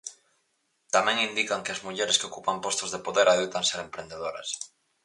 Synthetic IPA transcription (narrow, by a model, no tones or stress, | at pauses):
t̪amɛ̃ŋind̪ikaŋkɪɐzmuʎeɾeskeokupampɔst̪ozðepoðeɾaðewt̪aŋseɾempɾend̪eðoɾɐ̰s